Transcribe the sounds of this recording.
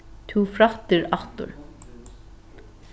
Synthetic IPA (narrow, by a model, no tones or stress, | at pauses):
t̪ʰuːfɾaht̪ɪɾaht̪ʊ̰ɾ